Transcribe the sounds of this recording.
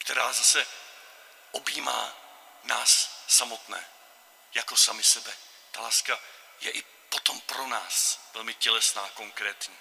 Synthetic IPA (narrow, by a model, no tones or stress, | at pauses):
kt̪ɛɾaːzasɛ | ʔobiːma̰ː | naːsːamot̪nɛ̰ː | jako̞samɪsɛbɛ | t̪alaːska | jɛʔɪ | pot̪o̞mpɾonaːsvɛlmɪcɛlɛsnaːkoŋkɾɛːt̪ɲiː